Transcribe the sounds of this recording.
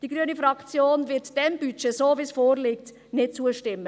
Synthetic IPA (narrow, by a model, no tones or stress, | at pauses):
d̥iɡ̥ɾyənifɾɑkt͡sjoːnvɪtd̥ɛmb̥yt͡ʃesoːvisfoːɾliːk̚t | nɪt̚t͡suəʃtɪmːə